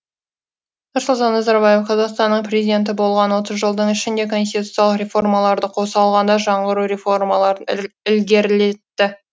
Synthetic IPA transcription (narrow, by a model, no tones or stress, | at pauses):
nʊɾsʊlˠt̪ɑnːɑzɑɾbɑjefqʰɑzɑqst̪ɑnːəɴprʲe̞zid̪ʲe̞nt̪̬ɪbo̞lˠʁɑnwo̞t̪əzʒəlˠd̪əɴɪʃɪnd̪e̞kʰo̞nsʲt̪ʲit̪ut̪sjalˠəqrʲe̞fo̞rmɑlˠɑɾd̪əqʰo̞sɑlˠʁɑnd̪ɑʒɑɴʁəɾuɾefo̞rmɑlˠɑɾənɪlɡʲe̞ɾle̞t̪ːɪ